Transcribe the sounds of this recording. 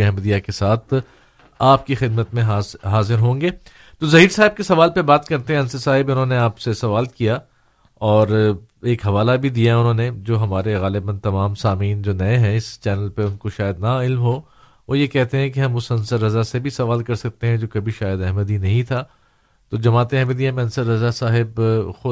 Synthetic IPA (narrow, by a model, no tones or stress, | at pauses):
ɛɦməd̪ijakesaːt̪ʰ | aːp̚kixɪd̪mət̪mẽɦɦaːzɪɾɦõːŋɡeː | t̪ozɐɦiːɾsaːɦɪb̚kesɐʋaːlpɐbaːt̪kɐɾt̪ẽɦɛ̃ɐnsəsaːɦɪbʊnɦõːneaːpsesɐʋaːlkija | ɔːɾeːkɦɐʋaːlabʱid̪ijaɦɛʊnɦõːned͡ʒoːɦɐmaːɾeɣaːlɪbə̃nt̪ɐmaːmsaːmiːnd͡ʒoːnɐeɦɛ̃ɪst͡ʃɛːnəlpeʊnkoʃaːjəd̪naɪlmɦoː | ʋoːjekɛɦt̪eɦɛ̃keɦɐ̃mʊsɐ̃nsəɾːɐzasebʱisɐʋaːlkɐɾsɐk̚t̪ẽɦɛ̃d͡ʒoːkɐbʱiʃaːjəd̪ɛɦməd̪inɐɦĩt̪ʰaː | t̪oːd͡ʒɐmaːt̪ẽɛɦməd̪iɛmẽɐnsəɾːɐzasaːɦɪbxʊ